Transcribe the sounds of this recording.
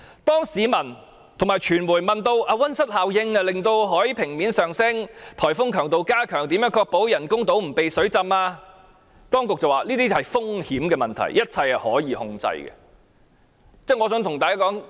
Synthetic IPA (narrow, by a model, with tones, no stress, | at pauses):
t̪ɔː˥ŋsiː˨˧mɐ˨˩n | t̪ʰʊ˨˩ŋmaː˨jt͡ʃʰyː˨˩nmuː˨˩jmɐ˨nt̪o˧wʔaː˧wɐ˥nsɐ˥t̚haː˨wjɪ˧ŋɐ˧lɪ˨ŋt̪o˧wɦɔː˨˥jpʰɪ˨˩ŋmiː˨˥nsœː˨ŋsɪ˥ŋt̪ʰɔː˨˩jfʊ˥ŋkʰœː˨˩ŋt̪o˨wkaː˥kʰœː˨˩ŋt̪i˨˥mjœː˨˥ŋkʰɔː˧k̚po˨˥wjɐ˨˩nkʊ˥ŋt̪o˨˥wm̩˨˩pe˨jsɵ˨˥ɥt͡sɐ˧maː˧ | t̪ɔː˥ŋkʊ˨k̚t͡sɐ˨waː˨liː˥t̪iː˥hɐ˨jfʊ˥ŋhiː˨˥mkɛː˧mɐ˨˩nt̪ʰɐ̰˨˩jjɐ˥t̚t͡sʰɐ˧jɐ˨hɔ̰ː˨˥jiː˨˧hʊ˧ŋt͡sɐ̰˧jɡɛ̰˧ | t͡sɛː˥˩ŋɔː˨˧sœː˨˥ŋt̪ʰʊ˨˩ŋt̪aː˨kaː˥kɔː˨˥ŋ